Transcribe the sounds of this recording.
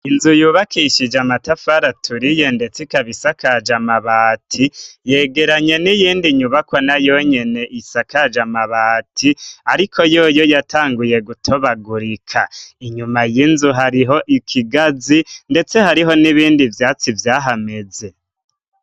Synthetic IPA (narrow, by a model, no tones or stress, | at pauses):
inzujuːβakʰiʃid͡ʒamatafaɾatʰuɾijende̞t͡sikaβisakad͡ʒamaβaːtʰije̞ːɡe̞ɾaɲe̞nijiːndiɲuβakwanajo̞ɲe̞ne̞ʔisakad͡ʒamaβaːtʰiaɾikʰo̞jo̞ːjo̞jatʰaːŋɡuje̞ɡutʰo̞βaɡuɾikʰaiɲumajinzuɦaɾiɦo̞ʔikʰiɡazinde̞t͡se̞haɾiɦo̞niβiːndivjaːt͡sivjaːɦame̞ze̞